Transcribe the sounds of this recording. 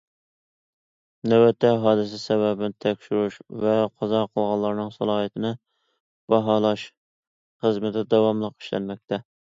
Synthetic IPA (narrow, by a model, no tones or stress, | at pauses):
nɛwɛt̪ʰːɛɦɑːd̪ɨs̬ɛsɛwɛbɪnt̪ʰɛkʲʃuɾuʃvɛqʰɑzɑːqʰəlˠʁɑlˠɑɾnɨŋsɑlˠɑːɦɨt̪ʰɪnɪ | b̥ɑɦɑːlˠɑʃ | χəzmɪd̪ɪd̪ɑwɑmlˠəqi̥ʃlɛ̰nmɛk̚ʲt̪ʰɛ